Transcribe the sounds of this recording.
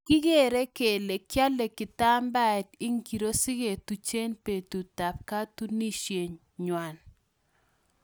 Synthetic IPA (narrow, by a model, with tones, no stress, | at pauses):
kɪ˦ɡe˦˨ɾe˦ke˨le˨kja˦le˨kɪ˨ta˦mba˦ɛ˨tɪ˦ŋɡi˨ɾo˦sɪ˦ɡe˨tu˨t͡ʃe˦npe˨tu˨ta˨p̚ka˦tu˦ni˦ʃje˨ɲ | ɲwa˨n